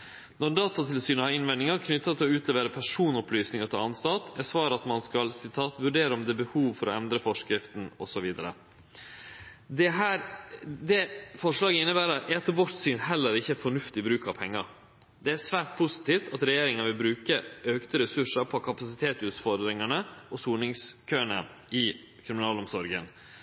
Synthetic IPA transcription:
nɔd̪ɑːt̪ɑt̪ʰɪlsyːnəhɑɾɪnʋɛnɪŋɑɾkʰnʏt̪ːɑt̪ʰɪlɔʉːt̪lɛːʋəɾəpʰæʂuːnɔplyːsnɪŋɑt̪ʰɪlɑnst̪ɑt̪ɛsʋɑːɾəɑt̪mɑnskɑlsɪt̪ʰɑːt̪ʋʉɖeːɾəɔmd̪ɛːbəhuːʋfɔɾɔ̰ɛnd̪ɾəfɔʂkɾɪft̪n̩ɔ̰sɔʋiːd̪əɾə̰ | d̪ɛɦæːɾd̪ɛfɔʂlɑːɡəɪnːəbæːɾəɾʔɛɑt̪ʋɔɾt̪syːnhɛlːəɾɪçːəæfɔɳʉft̪ɪbɾʉːkɑpʰɛŋːəɾ | d̪ɛæʂʋæːʈ̚pʰʊsɪ̥t̪iːft̪ɑt̪ɾɛjeːɾɪŋənʋɪlbɾʉːkəʔøːkt̪əɾɛsʉʂəɾpʰɔkʰɑpɑsɪt̪ʰeːt̪ʉːt̪fɔɾd̪ɾɪŋɑɳəɔsuːnɪŋskʰøːəɳə̰ | ɪ | kʰɾɪmɪnɑːlɔmsɔɾɡə̰n

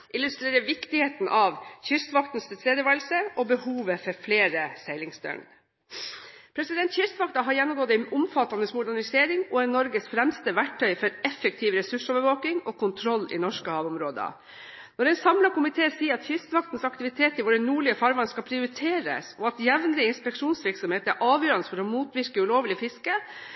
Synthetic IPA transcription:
ʔɪlʉst̪ɾeːɾəʋɪkt̪ɪheːt̪nʔɑʋçʏst̪ʋɑkt̪n̩st̪ʰɪlt̪ʰɾeːd̪jəʋæɾlsəɔbəhuːʋəfɔɾfleːɾəsɛɪlɪŋst̪œ̰ɳ | pʰɾɛsɪd̪ɛnt̪çʏst̪ʋɑkt̪ɑɦɑɾjɛnːʊmɡɔːd̪ɛnʊmfɑt̪ːɑnəsmʊɖ̪æɳɪseːɾɪŋɔɛnɔɾɡəsfɾɛmst̪əʋæʈʰːœʏfɔɾɛfːɛk̚t̪ʰiːʋɾɛsʉʂoːʋəɾʋoːknɪŋɔkʰʊnt̪ʰɾɔlːɪ̰nɔʂkəhɑːʋʊmɾoːd̪ə̰ | nɔɾɛɪnsɑmlɑkʊmɪt̪ʰeːsiːəɾɑt̪çʏst̪ʋɑk̚t̪n̩sɑkt̪ɪʋɪt̪ʰeːt̪ɪʋoɖɛnuːɭɪəfɑɾʋɑnskɑpʰɾɪʊɾɪt̪ʰeːɾə̰sɔɑt̪jɛʋnlɪəɪnspɛkʂuːnsʋɪɾksɔmheːt̪æɾʔɑːʋjøːɾɑnəsfɔɾɔmuːt̪ʋɪɾkəʉloːʋlɪfɪskə

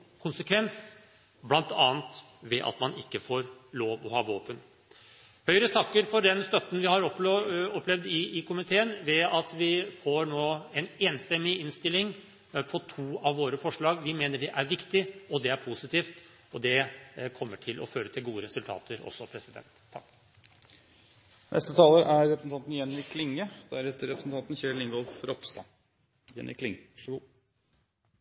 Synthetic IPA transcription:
kʰʊnsəkʰʋɛns | blɑnt̪ɑːnt̪ | ʋɛʔɑ̰t̪mɑnɪkːəfoːɾloːʋɔhɑːʋoːpən | hœʏɾət̪ʰɑkːəɾfɔɖɛnst̪œt̪ːn̩ʋɪhɑɾɔɔpːlɛʋd̪ɪːkʰʊmɪt̪ʰeːənʋɛɑt̪ʋɪfoɾnoːɛneːnst̪ɛmːɪɪnst̪ɪlːɪŋ | pʰɔt̪ʰuːɑʋːoːɾəfɔʂɭɑːɡʋɪmeːnəɖɛʔæɾʋɪkt̪ɪɔd̪ɛæɾpʰusɪt̪iːft̪ | ɔd̪ɛkʰɔmːəʈʰɪlʔɔ̰føːɾət̪ʰɪlɡuːəɾɛsʉlt̪ʰɑ̰ːt̪ʰəɾɔ̰sːɔpʰɾɛsɪd̪ɛ̰nt̪ʰːɑkː | nɛ̰st̪ət̪ʰɑːləɾæɾɾɛpɾəsn̩t̪ɑnt̪n̩jɛnɪkʰlɪŋːəd̪̥æɾhɛt̪ːəɾɛpɾəsn̩t̪ɑnt̪n̩çɛlɪŋɡɔlfɾɔpst̪ɑ̰ | jɛ̰nɪ̰kʰlɪŋ

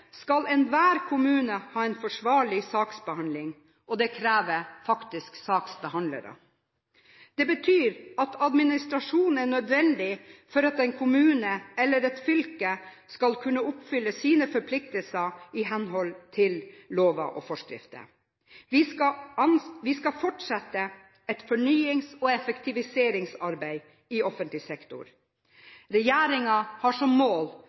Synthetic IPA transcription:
skɑlɛnʋæːɾkʰʊmʉːnəhɑːɛnfɔʂʋɑːɭɪsɑːksbəhɑnlɪŋ | ʔɔd̪ɛkʰɾæːʋəfɑkt̪ɪsksɑːksbəhɑnlə̰ɾə̰ | d̪̥ɛbət̪ʰyːɾɑt̪ʰɑd̪mɪnɪst̪ɾɑʂuːn̩ænœd̪ʋɛnd̪ɪfɔɾɑt̪ɛnkʰʊmʉːnəɛlːəɾɛt̪fʏlkə | skɑlkʰʉnːəʊpfʏlːəsiːnəfɔɾpʰlɪk̚t̪əlsəɪɦɛnɦɔlt̪ʰɪlloːʋɑ̰ʔɔfɔʂkɾɪ̰ft̪ə̰ | ʋɪɑɑnʋɪskɑfɔʈʂɑt̪ːə | ɛt̪fɔɳyːɪŋsɔɛfɛkt̪ʰɪʋɪseːɾɪŋsɑɾbæɪ | ɪʔɔfənt̪lɪsɛkt̪ʊ̰ɾ | ɾɛjæːɾɪŋɑhɑʂɔmːoːl

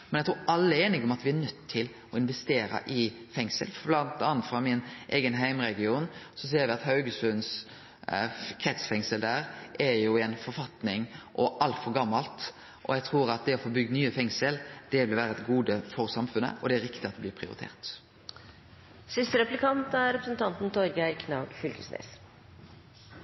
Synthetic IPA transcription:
mɛnæɪt̪ɾuːɑlːəɛɾeːnɪɡɔmɑt̪ʋɪæɾnœt̪ʰːɪl | ɔɪnʋɛst̪eːɾə̰ʔɪfɛŋsə̰lblɑnt̪ɑːnt̪fɾɑmɪnʔeːɡənɦæɪmɾɛɡɪuːnsɔs̬eːɾʋɪɑt̪hɑʉɡəsfʉns | kʰɾɛt̪sfɛŋsəld̪æɾʔɛɾjʊɛnfɔɾfɑt̪nɪŋʔɔʔɑlt̪fɔɾɡɑmːɑlt̪ | ʔɔjæɡt̪ʰɾuːɾɑt̪̚d̪ɛɔfoːbʏɡ̪ənyːəfɛŋsəld̪̥ɛʋɪlʋæːɾəɛt̪ɡuːd̪əfɔɾsɑmfʉnːə̰ʔɔd̪ɛæɾɪkt̪ɪɑt̪̚d̪ɛblɪːpʰɾɪʊ̰ɾɪt̪ʰḛːʁt̪ | sɪst̪əɾɛplɪkʰɑnt̪æɾɾɛpɾəsnt̪ʰɑnt̪n̩t̪ʰɔɾɡæɾkʰnɑːɡfʏlkəsnḛːs

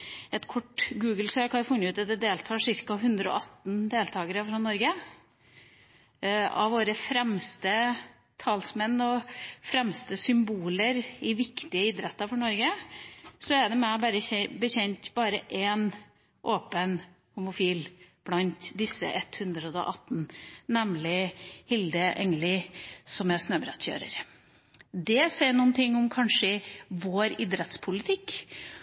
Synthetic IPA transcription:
ɛt̪kʰɔʈːɡʉːɡl̩søːkʰɑfʉnəʉːɑt̪̚d̪ɛd̪eːlt̪ʰɑːʂɪɾkɑɦʉnd̪ɾəɔ̰ʔɑt̪nd̪eːlt̪ʰɑːɡəɾəfɾɑnɔɾɡə | ɑ̰ʋʋoːɾəfɾɛmst̪ə | t̪ʰɑlsmɛnːɔfɾɛmst̪əsʏmbuːləɾɪʋɪkt̪ɪəɪd̪ɾɛt̪ːɑfɔɳɔɾɡə | sɔæɖɛmɛbɑɾəbəçɛnt̪bɑːɾəʔɛn | ʔoːpən | hʊmʊfiːlb̥lɑnt̪d̪ɪsːə̰ʔɛt̪hʉnd̪ɾəɔ̰ʔɑt̪ːnnɛmlɪhɪld̪əʔɛŋəlɪsɔmɛsnøːbɾɛ̰t̪çø̰ːɾə̰ɾ | d̪ɛsɛɪɳuːnt̪ʰɪŋːʊmkʰɑnʂəʋoːɾɪd̪ɾɛt̪spʰʊlɪt̪ʰɪkː

